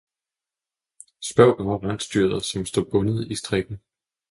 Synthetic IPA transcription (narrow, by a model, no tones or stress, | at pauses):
sb̥ɶɐ̰ʊɡ̥ɒɐʁɑn̰̥sd̥yɐ̰ðˠɐsɒ̽msd̥o̰ːb̥ɔ̽nəð̞̩ˠisd̥ʁeɡ̥n̩